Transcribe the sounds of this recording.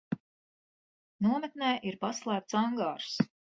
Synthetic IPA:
nuɔmɛt̪̚nɛːʔiɾpaslˠæːp̚t̪saŋɡaːɾs

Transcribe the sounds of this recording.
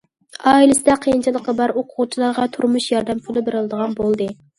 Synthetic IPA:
ɑːilɪsɪd̪ɛqʰejint͡ʃʰɨlˠəqːəbɑɾoqʰʊʁt͡ʃʰilˠɑɾʁɑt̪ʰuɾmuʃjɑɾd̪ɛmpʰulˠɪbeɾɪlˠɨd̪əʁɑnbolˠd̪ɨ

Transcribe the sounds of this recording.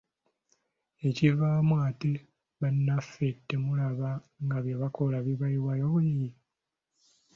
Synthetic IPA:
e̞civaːmwaːte | βanːafetːemulaβa | ŋɡaβjeβako̞laβiβaiwajoβujiji

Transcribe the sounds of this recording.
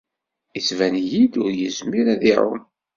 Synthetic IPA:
it͡sːvænjid̪ʊɾjəzmiɾæðiɾʊ̰n

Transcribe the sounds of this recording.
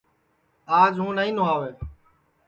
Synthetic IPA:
aːd͡ʒɦũːnaːĩːnõːaːʋeː

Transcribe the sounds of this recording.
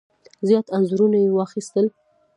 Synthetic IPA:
zjɑt̪anzuɾunajewɑxist̪əl

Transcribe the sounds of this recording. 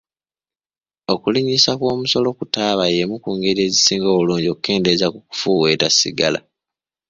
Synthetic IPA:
o̞kuliɲisakwo̞ːmuso̞lo̞kutaːβajemukuːŋɡe̞ɾie̞ːzisiːŋɡo̞ːβuluːɲɟio̞kuke̞ːnde̞zakuku̥fuːwe̞ːtasḭɡala̰

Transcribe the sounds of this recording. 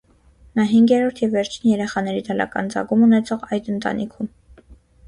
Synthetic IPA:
nɑɦiŋɡjɛɾɔɾt̪ʰjɛvːɛɾt͡ʃʰinjɛɾɛχɑnɛɾid̪ɑlɑ̰kɑ̰nd͡zɑ̰ɡumunɛt͡sʰɔʁɑjd̪ənt̪ɑ̰nʔikʰum

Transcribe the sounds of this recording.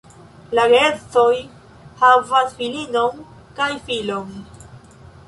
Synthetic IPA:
laɡest͡so̞j | havasfilino̞n | kajfilo̞n

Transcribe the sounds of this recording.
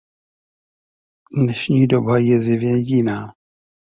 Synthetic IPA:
dnɛʃɲiːdobajɛzɪvjɛjɪnaː

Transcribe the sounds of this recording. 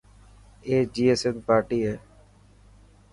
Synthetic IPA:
eːd͡ʒiːeːsenpaːɾʈiːɦɛː

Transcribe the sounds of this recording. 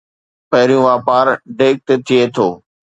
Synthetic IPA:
pɐɦɪɾijũʋaːpaːɾɖeːk̚t̪et̪ʰɪet̪ʰoː

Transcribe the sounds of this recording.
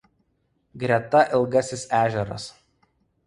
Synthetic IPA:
ɡɾʲɛt̪ɐʔɪlˠɡɐsʲɪsæːʒʲɛɾɐ̰s

